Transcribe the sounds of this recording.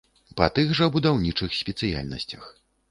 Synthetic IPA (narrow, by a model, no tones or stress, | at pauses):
pɐt̪ɨɣʐɐbud̪awnʲit͡ʂɨxsʲpʲɛt̪sɨja̰lʲnɐ̰sʲt͡sʲɐx